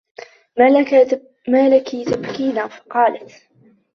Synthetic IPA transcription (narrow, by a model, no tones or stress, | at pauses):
maːlakiːt̪abkiːnaːfɑ̥qɑːlat̪